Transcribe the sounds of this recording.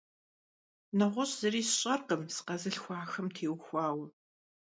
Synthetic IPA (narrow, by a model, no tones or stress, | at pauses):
nɐʁʷʊɕʼz̥ɐɾiːsɕʼɐrqəmsɨ̥qɐzɨɬxʷɑːxɐmtʰeːwxʷɑːw